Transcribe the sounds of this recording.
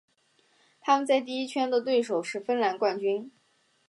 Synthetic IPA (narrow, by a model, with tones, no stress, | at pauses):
t̪ʰa˥mə˨nt͡sa˥˧ɪt̪̬i˥˩i˥t͡ɕʰɥɛ˥nd̪ə˨t̪we˥˩ɪʂo˨˩ʊʂɻ̩˥˩˧fə˥nla˧˥nkwa˥˩nt͡ɕy˥n